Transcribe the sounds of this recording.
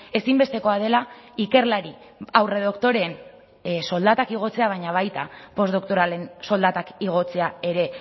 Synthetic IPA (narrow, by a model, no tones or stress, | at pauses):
e̞simbe̞st̪e̞ko̞að̞e̞laike̞rlaɾi | awre̞ðo̞kt̪o̞ɾeːn | so̞ld̪at̪akiɣ̞o̞t͡se̞aβ̞ajɲaβ̞ajt̪apo̞zd̪o̞kt̪oɾale̞nso̞ld̪at̪akiɣ̞o̞t͡se̞ae̞ɾe̞